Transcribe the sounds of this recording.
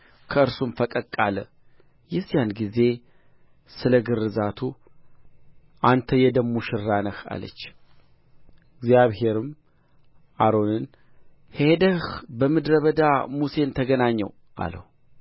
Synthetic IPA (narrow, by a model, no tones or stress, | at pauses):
kʰəʔɨɾsumfəkʼəkʼalə̰ | jɛzjanɡize̞ | sɨləɡɨrːɨzat̪ʰu | ʔant̪ʰəjɛd̪əmːuʃɪɾːanəha̰lə̰t͡ʃː | ɪɡzijaβhe̞ɾɨm | ʔaɾo̞nɨn | hed̪əhbəmɨd̪ɾəβəd̪amuse̞nt̪ʰəɡənaɲːɛ̰w | ʔa̰lə̰hu